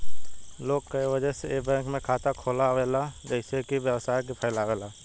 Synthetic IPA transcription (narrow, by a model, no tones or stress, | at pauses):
loːɡ̚kəiʋəd͡ʒɛsebɛ̃ːŋkmẽkʰaːt̪akʰoːlaʋeːlad͡ʒəɪsekiʋjəwsaːjkipʰəɪlaːʋeːlaː